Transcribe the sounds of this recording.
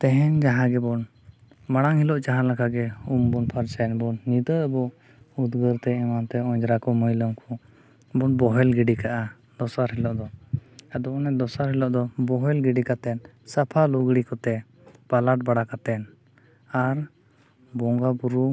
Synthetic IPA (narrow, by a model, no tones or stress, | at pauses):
t̪ɛɦɛnd͡ʒaɦãɡɛbɔn | maɽ̃aŋhilɔʔd͡ʒaɦãlakʰaɡɛumbɔnpʰaɾt͡ʃajɛnbɔnːid̪əəbɔ | ud̪ɡəɾt̪ɛɛmant̪ɛɔɲd͡ʒɾakɔməjləmkʰɔ | bɔnbɔɦɛlɡɛɖikaʔa | d̪ɔsaɾɦɛlɔʔd̪ɔad̪ɔɔnɛd̪ɔsaɾɦɛlɔʔd̪ɔbɔɦɛlɡɛɖikat̪ɛn | sapʰaluɡɽikɔt̪ɛ | balaʈ̚baɽakat̪ɛn | aɾ | bɔŋɡabuɾu